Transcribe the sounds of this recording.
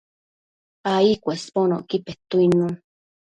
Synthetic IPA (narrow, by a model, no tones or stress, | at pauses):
aikʷespono̰ʔkipet̪uinũ